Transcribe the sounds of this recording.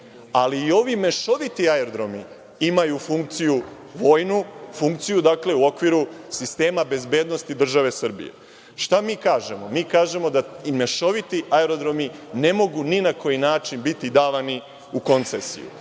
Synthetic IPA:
aliːo̞ʋime̞ʃo̞ʋit̪iaeɾod̪ɾo̞mi | imajufuŋk̚t̪siju | ʋo̞ːjnufuŋkt̪sijud̪akle̞uo̞kʋiɾusist̪e̞ːmabe̞zbe̞ːd̪nost̪id̪r̩ʒaʋe̞sr̩bḭje̞̰ | ʃt̪amiːkaːʒe̞momiːkaːʒe̞mo̞d̪aime̞ʃo̞ʋit̪iʔaeɾo̞d̪ɾo̞mine̞mo̞ɡuninako̞jinaːt͡ʃinbit̪id̪aːʋani | uko̞nt̪sesḭjṵ

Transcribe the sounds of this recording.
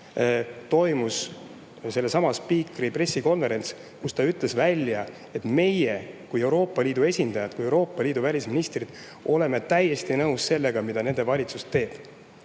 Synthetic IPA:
t̪o̞jmus | se̞lːesɑmɑspiːkripre̞sːiko̞nve̞ɾe̞nt̪s | kust̪ɑyt̪ˑle̞svælʲjɑ | e̞t̪me̞je̞kuje̞wɾo̞ːpːˑɑlʲiːd̪ue̞sʲind̪̥ɑjɑd̪kuje̞wɾo̞ːpˑːɑlʲiːd̪uvælʲisminist̪rid̪̥ | o̞le̞me̞t̪æjːe̞st̪inɤwsse̞lːe̞ɡ̥ɑmid̪̥ɑne̞nd̪evɑlʲit̪sust̪ːe̞ːb̥

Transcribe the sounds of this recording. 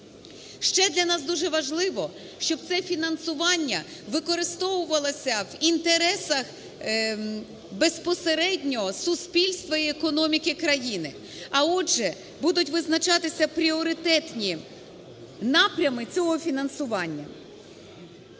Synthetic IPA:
ʃt͡ʃɛd̪lʲɐnɑs̬d̪uʒɛʋɐʒlˠɪʋɔ | ʃt͡ʃɔb̚t̪sɛfʲinɐnsʊʋɑnʲːɐʋɪkɔɾɪst̪ɔwʊʋɐlˠɐsʲɐʋint̪eɾɛsɐx | bespɔseɾɛdʲnʲɔɦɔsʊspʲilʲst̪ʋɐiekɔnɔmʲikɪkɾɐjinɪ̰ | ɐɔʒɛ | bud̪ʊtʲʋɪznɐt͡ʃɑt̪ɪsʲɐpɾʲiɔɾɪt̪ɛt̪nʲi | nɑpɾʲɐmɪt͡sʲɔɦɔfʲinɐnsʊʋɑnʲːɐ̰

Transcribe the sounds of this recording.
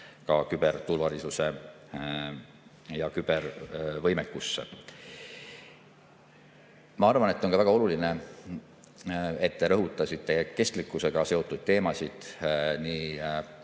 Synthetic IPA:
kɑkyb̥e̞rt̪ulvɑlisuse̞ | jɑkyb̥ervɤjmekːˑusːḛ | mɑɑrvɑne̞t̪ːˑo̞nkɑvæɡ̥ɑo̞luline̞ | e̞t̪ːe̞ɾɤɦut̪ˑːɑsit̪ːˑe̞ke̞st̪likːˑuse̞ɡ̥ɑse̞o̞t̪ˑːud̪̥̚t̪e̞ːmɑsid̪̥niː

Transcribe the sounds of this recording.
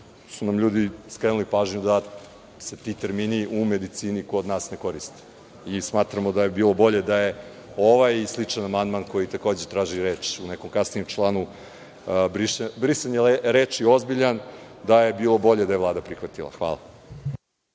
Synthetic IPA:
sunamʎuːd̪iskɾenulipaːʒɲud̪a | set̪it̪e̞ɾmiːniʔume̞d̪it̪siːnikod̪naːsne̞ko̞ɾist̪i̥ | ismaːt̪ɾamod̪aje̞biːlˠo̞bo̞ʎe̞d̪aje | oʋajislˠit͡ʂanamand̪manko̞jit̪ako̞ːd͡ʑet̪ɾaːʒiɾeːt͡ʃuneko̞mkasnijemt͡ʃlˠaːnu | bɾibɾiseɲeleɾeːt͡ʃio̞zbiʎan | d̪aje̞biːlˠo̞bo̞ʎed̪ajeʋlaːd̪apɾixʋat̪ilˠa̰xʋa̰ːlˠa̰

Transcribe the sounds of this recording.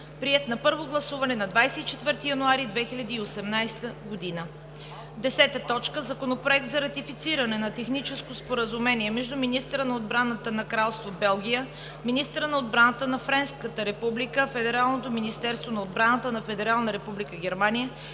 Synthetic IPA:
pɾiɛt̪nɐpɤɾvoɡlˠɐsuvɐnɛnɐd̪vajsɛit͡ʃɛt̪vɤɾt̪ijɐnuaɾid̪vɛxilʲɐd̪iːosɛmnajst̪əɡod̪inə | d̪ɛsɛt̪ət̪ɔt͡ʃkəzɐkonopɾoɛk̚t̪zɐɾɐt̪ifit̪siɾɐnɛnɐt̪ɛxnit͡ʃɛskospoɾəzumɛniɛmɛʒd̪uminist̪əɾənɐod̪bɾanət̪ənɐkɾalˠst̪vobɛlˠɡ̟ʲijə | minist̪əɾənɐod̪̚bɾanət̪ənɐfɾɛnskət̪əɾɛpublikəfɛd̪ɛɾalˠnot̪ominist̪ɛɾst̪vonɐod̪bɾanət̪ənɐfɛd̪ɛɾalˠnəɾɛpublikəɡʲɛɾmanijə

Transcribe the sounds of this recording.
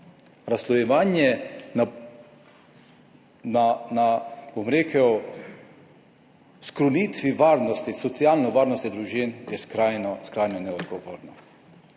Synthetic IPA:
ɾaslɔjɛʋaːnjɛ | nanabomɾeːkʰəw | skɾɔniːt̪ʋiʋaːɾnɔst̪isɔt̪siaːlnɔʋaːɾnɔst̪id̪ɾuʒinjɛskɾajnɔskɾajnɔnɛɔd̪ɡɔʋo̰ːɾnɔ

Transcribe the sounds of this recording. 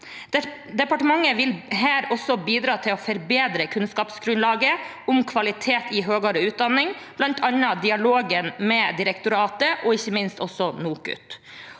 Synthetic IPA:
d̪ɛpɑʈəmɑŋːəʋɪlɦæːɾɔsːɔbiːd̪ɾɑːt̪ʰɪlɔfɔɾbeːd̪ɾəkʰʉnskɑːpsɡɾʉnlɑːɡə | ʊmkʰʋɑlɪt̪ʰeːt̪ɪɦøːɡɑɾəʉːt̪̚d̪ɑnːɪŋ | b̥lɑnt̪ʰɑnɑd̪ɪɑloːɡənmɛd̪ɪɾɛkt̪ʊɾɑːt̪əʔɔɪçːəmɪnst̪ɔsːɔnuːkʉ̰t̪

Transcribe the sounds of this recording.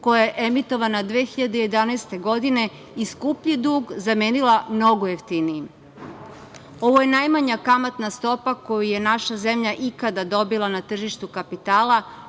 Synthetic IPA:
ko̞jajeʔemit̪o̞ʋanad̪ʋeːxiʎad̪eje̞d̪anast̪e̞ɡo̞d̪ine̞ | iskupʎid̪uːɡzame̞ːnilˠamno̞ɡoe̞ft̪inijim | o̞ʋo̞je̞najmaɲakamat̪nast̪o̞pako̞juje̞naʃaze̞mʎaʔikad̪ad̪o̞bilanat̪r̩ʒiʃt̪ukapit̪aːla

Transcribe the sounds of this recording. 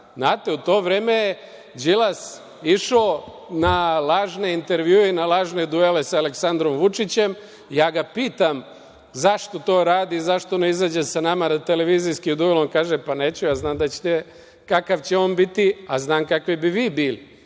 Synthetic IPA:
znaːt̪e̞ut̪o̞ːʋɾeːmeje | d͡ʑilas | iʃoː | nalˠaːʒne̞int̪e̞ɾʋjuːeinalaːʒne̞d̪uele̞saːleksand̪ɾo̞mʋut͡ʃit͡ɕe̞m | jaːɡapiːt̪am | zaʃt̪o̞t̪o̞ːɾaːd̪izaʃt̪oneizaːd͡ʑesanamanat̪ele̞ʋiːziskiud̪uelˠonkaːʒepaneːt͡ɕujaːznaːmd̪at͡ɕe̥t̪e | kakaʋt͡ɕe̞o̞ːnbit̪iaznaːmkakʋibiʋiːbiːli

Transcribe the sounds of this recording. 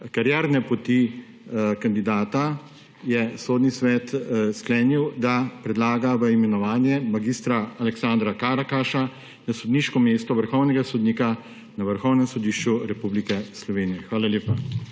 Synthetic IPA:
kaɾjaːɾnɛpɔt̪i | kand̪id̪aːt̪a | jɛsoːd̪nisʋɛːt̪sklɛːniwd̪apɾɛd̪laːɡaʋəimɛnɔʋaːnjɛmaɡiːst̪ɾaːlɛksaːnd̪ɾakaːɾakaʃa | nasɔd̪niːʃkɔmeːst̪ɔʋəɾxɔwnɛɡasɔd̪niːka | naʋəɾxɔwnɛmsɔd̪iːʃt͡ʃuɾɛpublikɛslɔʋeːnijɛxʋaːlaljeːpa

